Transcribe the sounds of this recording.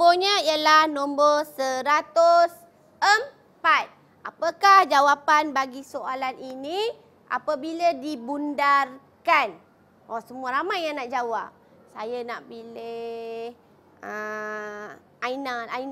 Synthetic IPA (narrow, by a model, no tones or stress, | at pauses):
boɲəijəlahnõmbərsəɾat̪ʊs | əm | pat̪̚ | apakahd͡ʒawapanbaɡisoʔalanini | ʔa̰pabiladibundar | kan | ʔɔsəmuaɾamajːaŋnaʔd͡ʒawap̚ | sajanaʔpileh | ə | ainaain